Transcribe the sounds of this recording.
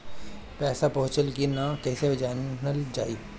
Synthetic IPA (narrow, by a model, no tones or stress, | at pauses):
pɛːsapɐ̃ɦʊ̃t͡ʃəlkinakɛːsebɪd͡ʒaːnnəld͡ʒaːiː